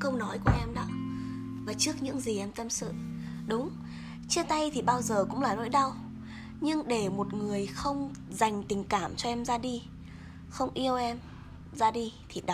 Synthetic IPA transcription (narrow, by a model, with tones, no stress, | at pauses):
kə˧wnɔ˨˦jku˧˩əʔɛ˧mɗɔ˨˦ | vaː˨˩t͡ɕɨ˦˥ək̚ɲɨ̰˧˥ŋzi˨˩ʔɛ˧mt̪ə˧msɨ̰˧˨ | ɗʊ˨˦ŋ͡m | t͡ɕi˦˥ət̪a˧jt̪ʰi˨˩ɓaː˧wzəː˨˩kʊ̰˧˥ŋ͡mlaː˨˩lo̰˧˥jɗa˧w | ɲɨ˧ŋɗe˧˩mo˨˩t̚ŋɨ˨˩əjxə˧wŋ͡mza˨˩jŋ̟t̪ï˨˩ŋ̟kaː˧˩mt͡ɕɔ˧ʔɛ˧mzaː˧ɗi˧ | xə˧wŋ͡mʔi˧əwʔɛ˧m | zaː˧ɗi˧t̪ʰi˨˩ɗ